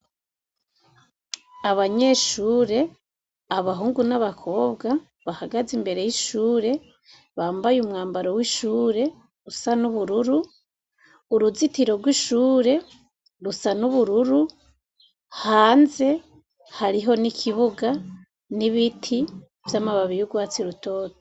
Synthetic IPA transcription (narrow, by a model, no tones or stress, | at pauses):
aβaɲe̞ʃuːɾe̞ | aβaɦuːŋɡunaβakʰo̞ːbɡa | βahaɡazimbe̞ɾe̞jiʃuːɾe̞ | βaːmbajumŋaːmbaɾo̞wiʃuːɾe̞ | ɾusanuβuɾuɾu | ɾuzitiɾoɡwiʃuːɾe̞ | ɾusanuβuɾuɾu | haːnze̞ | haɾiɦo̞nikʰiβuɡa | niβitʰi | vjamaβaβijuɡwaːt͡siɾuto̞ːto̥